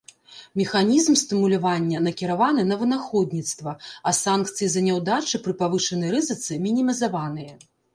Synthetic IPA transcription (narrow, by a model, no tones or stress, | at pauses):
mʲixanʲizmst̪ɨmulʲavanʲːɐnɐkʲiɾavanɨnɐvɨnaxɔd̪ʲnʲit̪st̪vɐɐsank̚t̪sɨjizɐnʲɛwd̪at͡ʂɨpɾɨpavɨʂɐnɨjɾɨzɨt̪sɨmʲinʲimʲizavanɨjɐ